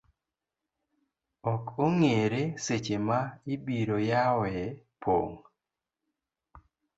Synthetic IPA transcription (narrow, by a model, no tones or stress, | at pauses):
ɔkoŋeɾeset͡ʃemaɪbiɾojawɛ | pʰo̰ŋ